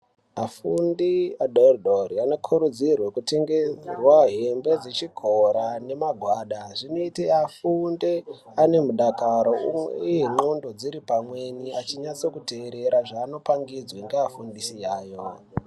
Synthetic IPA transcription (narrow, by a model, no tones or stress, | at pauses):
afundiadoldoriano̞kʰuɾud͡zirwe̞kute̞ŋɡerwaɦe̞mbe̞d͡ze̞t͡ʃiɡʱoɾane̞maɡʱwaːɗaʐinoiteafunde | ane̞muɗakaɾo̞umwḛijeŋ͡ǃondo̞d͡ziɾipamwe̞niat͡ʃiɲat͡so̞kuteːɾe̞ɾaʐaːno̞paŋɡid͡zweŋɡeafundisijaːjo̞